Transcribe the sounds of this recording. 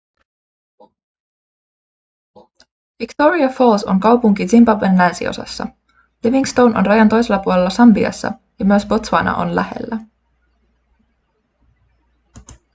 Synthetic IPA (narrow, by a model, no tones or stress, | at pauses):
ʋikt̪o̞ɾiɑfolso̞̰ŋkɑwpuŋkizimbɑʋːenlænsḭo̞̰sɑ̰sːɑ̰ | leʋiŋst̪o̞wnʔo̞̰nrɑjɑnt̪o̞jselːɑpuole̞lːɑsɑmbiɑ̰sːɑ̰ | jɑmyəsbo̞t̪sʋɑnɑ̰ʔo̞̰nlæ̰he̞̰lːæ